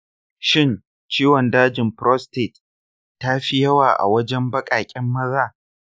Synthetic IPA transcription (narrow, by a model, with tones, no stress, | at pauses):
ʃɪ˦n | t͡ʃiː˦wɔ˨ndaː˦d͡ʒɪ˨mpɾɔ˦steː˨tː | a˦ɸi˦jɐ˦waː˨ʔa̰˨wɐ˦d͡ʒɛ˦mbɐ˦kʼaː˨kʲʼɪ˦mːɐ˦zaː˦